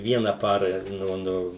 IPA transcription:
ˈʋʲiɛnɐ ˈpɑːrɐ ˈnʊ ˈnʊ

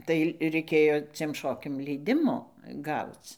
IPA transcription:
tɐɪ rʲɛɪˈkʲeːjoː t͡sʲiɛm ˈʃoːkʲɛm lʲɛɪˈdʲɪmoː ˈɡɐʊt͡s

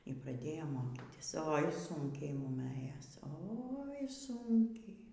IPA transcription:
iː prɐˈdʲeːjoːm ˈmoːkʲiːtʲɪs oːɪ ˈsʊŋʲkʲɛɪ ˈmʊm ˈɘjoːs ˈoːɪ ˈsʊŋʲkʲɛɪ

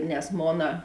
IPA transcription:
nʲɛs ˈmoːnɐ

